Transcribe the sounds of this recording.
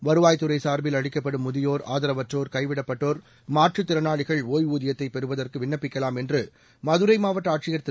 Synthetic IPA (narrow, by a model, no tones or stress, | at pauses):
ʋɐɾɯʋaːjt̪ːɯɾɐɪsaːɾbɪlɐɻɪkːɐpːɐɽɯmːʊðɪjoːɾa̰ːðɐɾɐʋɐʈroːɾkɐɪʋɪɽɐpːɐʈːoːɾ | maːʈrɯt̪ːɪɾɐnaːɭɪɣɐɭoːjuːðɪjɐt̪ːɐɪpɛɾɯʋɐðɐrkɯʋɪnːɐpːɪkːɐlaːmɛndrɯ | mɐðɯɾɐɪmaːʋɐʈːaːʈ̚t͡ʃɪjɐɾt̪ɪ